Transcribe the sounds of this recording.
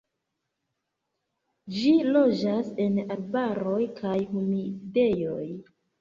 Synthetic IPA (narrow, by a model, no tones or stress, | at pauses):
d͡ʒilo̞d͡ʒase̞nalbaɾo̞jkʰajhumide̞joj